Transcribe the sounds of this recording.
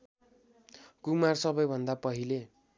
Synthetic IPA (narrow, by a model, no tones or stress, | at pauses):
kumarsʌbʌjbʱʌnd̪apʌɦile